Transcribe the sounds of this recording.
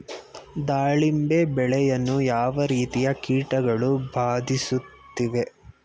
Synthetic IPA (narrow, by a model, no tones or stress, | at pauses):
d̪aːɭimbebɛɭɛjɐnːujaːʋɐɾiːt̪ijɐkiːʈɐɡɐɭubʱaːd̪ʱisut̪ːiʋe̞